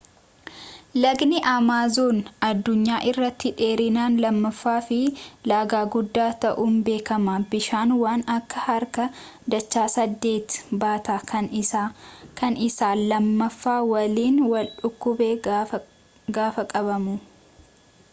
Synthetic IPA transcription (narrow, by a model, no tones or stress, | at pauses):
lɐɡnɪʔamaːzuːnɐd̪ːʊɲːaːʔɪrːɐt̪ːɪᶑe̞ːɾɪnaːnlɐmːɐfːaːfɪlaːɡaːɡʊd̪ːaːt̪ɐʔuːnbe̞ːkɐmaːbɪʃaːnwaːnɐkːɐhɐɾkɐ | d̪ɐt͡ʃːaːsɐd̪ːe̞ːt̪baːt̪aːkʰɐnɪ | kɐnɪsaːlɐmːɐfːaːwɐliːnwɐlᶑʊkːʊbe | ɡaːfɐkʼɐbɐmʊ